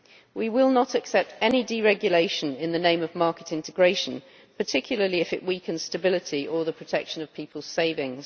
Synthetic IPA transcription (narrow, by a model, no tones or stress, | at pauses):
wiwɪlˠnətʰəksɛp̚tɛnidiɹɛɡjəleɪʃə̃nɪ̃nðənẽɪ̃məvmɑˑkɪtɪ̃ntɪɡɹeɪʃə̃n | pʰətʰɪkʰjl̩ˠəliɪfɪʔwiˑkʰə̃nz̥stəbɪlɪtʰiʔəðəpʰɹ̥ətʰɛkʃə̃nəv̥pʰiˑpʰəlˠz̥seɪvɪ̃ŋz̥